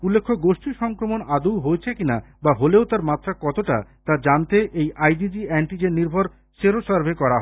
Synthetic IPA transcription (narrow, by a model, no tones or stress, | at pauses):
ulːekʰːoɡoʃʈiʃɔŋkɾomonad̪uwɦoet͡ɕʰekina | baɦoleot̪aɾmat̪ʰːɾakɔt̪oʈa̰t̪ad͡ʑant̪eʔejʔajɖid͡ʑiɛɳʈid͡ʑeniɾbʱoɾ | ʃeɾoʃaɾbʱekɔɾaɦ